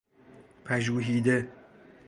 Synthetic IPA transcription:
pʰæʒuːɦiːd̪e

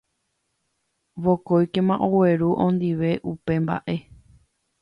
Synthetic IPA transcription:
ʋokojkẽmãʔowe̞ɾuʔõnd̪iʋe̞ʔupe̞mba̰ʔe̞

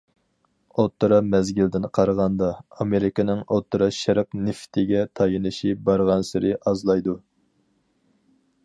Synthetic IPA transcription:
ot̪ʰːɨɾɑmɛzɡʲɪld̪ɪnqʰɑɾʁɑnd̪ɑːmeɾɪkʲɪnɪŋot̪ʰːɨɾɑʃæɾpnɪft̪ʰɪɡʲɛt̪ʰɑjɨnɨʃibɑɾʁɑnsɪɾɨʔɑzlˠɑjd̪u

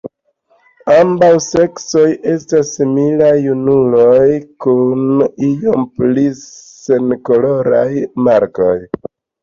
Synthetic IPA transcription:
ambawse̞kso̞je̞stasːimilajunulo̞jkunijo̞mplise̞nko̞lo̞ɾajmaɾko̞j

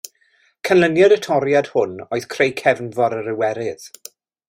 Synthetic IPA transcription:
kʰənlənjadətʰɔɾjad̥hʊnoɨð̥kʰrejkʰɛvnvɔɾəɾɪwɛɾɪð̥

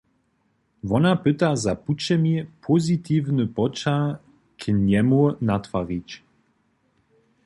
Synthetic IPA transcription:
vɔnapɪt̪azaput͡ʃɛmipʰozit̪ʰivnəpɔt͡ʃa | kʰinʲɛmunat̪faʁit͡ɕ

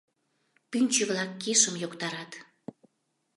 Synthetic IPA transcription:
pynʲt͡ɕəβlɑkːiʃəmjokt̪ɑɾɑt̪

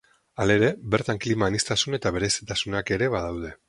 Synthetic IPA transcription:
ale̞ɾe̞be̞ɾt̪aŋklimaːnist̪asune̞t̪aβe̞ɾe̞si̥t̪asunake̞ɾe̞βað̞awðe̞

